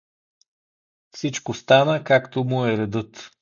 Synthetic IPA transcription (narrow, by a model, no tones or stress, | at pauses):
fsit͡ʃkost̪anəkakt̪omʊɛɾɛd̪ɤt̪